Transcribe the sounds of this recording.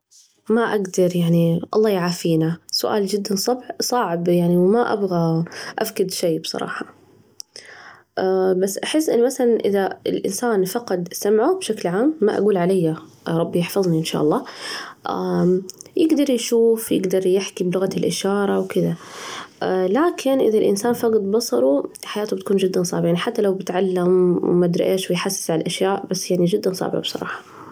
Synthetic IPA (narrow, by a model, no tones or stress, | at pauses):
maʔaɡd̪ɑɾˤjaʕniʔɑlˤːɑːjʕaːfiːnasʊ̰ʔa̰ːld͡ʒɪd̪ːansˤɑbħsˤɑʕɪbjaʕniwmaʔa̰bɣaʔafkɪd̪ʃejːbsˤɑ̰ɾˤɑ̰ːħɑ̥ | ʔabasːʔaħɪsːʔɪnːmaθalanʔɪðaɪlʔɪ̰nsaːnfɑqɑd̪samʕubʃaklʕaːmːa̰ʔa̰ɡuːlʕalajːa | ɾˤɑbːijɪħfɑðˤniʔɪnʃa̰ʔɑlˤːɑːʔa | jɪɡd̪ɑɾˤjʃuːfjɪ̰ɡd̪ɑɾˤjɪħkiblʊɣalʔɪʃɑːɾˤɑwkɪðaʔlaːkʰɪnʔɪ̰ðalʔɪ̰nsaːnfɑqɑd̪bɑsˤɑɾˤuħajaːt̪ubɪt̪ḁkuːnd͡ʒɪd̪ːansˤɑ̰ːbɪʕjaniħat̪ːalawbɪt̪ʕalːamw̰mad̪ɾˤɑ̰ʔeːʃwɪjħasːɪ̥sʕalalʔaʃjaːʔbasːjaʕnid͡ʒɪd̪ːansˤɑ̰ːbɪ̰ʕabsˤɑ̰ɾˤɑ̰ːħɑ̥